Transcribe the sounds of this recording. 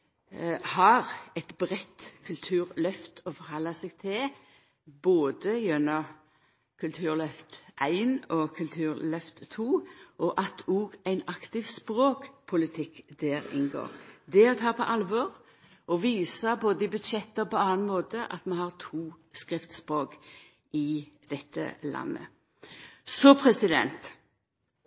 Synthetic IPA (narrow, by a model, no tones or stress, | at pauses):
hɑʁɛt̪bɾɛt̪kʰʉlt̪ʰʉːʁlœft̪ʰɔfɔɾhɑlːəsɛɡt̪ʰɪ | boːd̪əjɛnːɔ | kʰʉlt̪ʰʉːʁlœft̪ʔæɪnɔkʰʉlt̪ʰʉːʁlœft̪t̪ʰːuːʔɔʔɑt̪ʰuːɡæɪnɑkt̪ɪʋspɾoːkpʰʊlɪt̪ʰɪkːd̪̥æːʁɪ̰nɡo̰ːʁd̪ɛɔt̪ʰɑːpʰɔ̰ʔɑlʋɔːʁ | ʔɔʋiːsəboːd̪əɪbʉd̪ʃɛt̪ːəpɔɑːɑnmoːt̪əʔɑ̰t̪mɑnhɑʁt̪ʰuː | skʁɪft̪spʁoːk | ɪd̪̥ɛt̪ʰːə̰lʔɑ̰nːə̰ | sɔpʰʁɛsɪd̪ɛ̰nt̪